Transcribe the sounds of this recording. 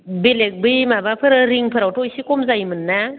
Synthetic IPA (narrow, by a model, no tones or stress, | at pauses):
bilek̚bijmabapʰəɾəɾiŋpʰəɾawtʰojsikomzajmɯnːa